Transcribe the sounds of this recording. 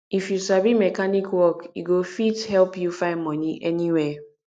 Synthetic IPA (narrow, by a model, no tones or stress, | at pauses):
ifjusabimekanikwɔkiɡofithɛlpjufaɪnmɔniʔeniwe